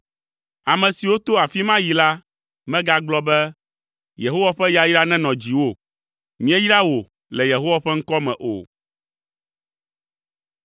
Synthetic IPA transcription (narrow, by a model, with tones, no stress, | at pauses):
a˨mɛ̃˨si˨wo˦t̪o˦a˨fi˦mã˦ji˨la˦ | mɛ̃˦ɡa˦ɡ͡blɔ˦bɛ˦ | je˨ɦo˦wa˦ɸɛ˦ja˦ji˦ɖa˦nɛ̃˦nɔ̃˨d͡ʑi˨wo˦˨ | mĩ˦ɛ˦ji˦ɖa˦wo˨ | lɛ˨je˨ɦo˦wa˦ɸɛ˦ŋ̩˦kɔ˦mɛ̰̃˨ʔo̰˨